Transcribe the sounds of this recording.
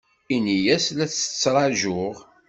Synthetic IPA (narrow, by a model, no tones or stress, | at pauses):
inijæslæt͡sːə̥t͡sːɾˤɑʒʊʁ